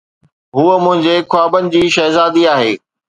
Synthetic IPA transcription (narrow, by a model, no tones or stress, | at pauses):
ɦuəmʊ̃ɦɪ̃ɲd͡ʑekwaːbənɪ̆d͡ʑiːʃɐɦzaːd̪iaːɦeː